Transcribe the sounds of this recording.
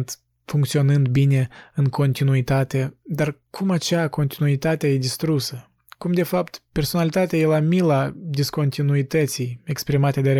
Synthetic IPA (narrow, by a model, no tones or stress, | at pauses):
nt̪ | fuŋkt̪sio̞nɨnd̪bine̞ɨŋkʰo̞nt̪inuit̪at̪e̞d̪arkʰumat͡ʃeako̞nt̪inuit̪at̪ʲejed̪ist̪ɾusə | kumd̪e̞fapt̪pe̞rso̞nalit̪at̪eajelamilad̪isko̞nt̪inuit̪ət̪sije̞kspɾimat̪e̞d̪eɾ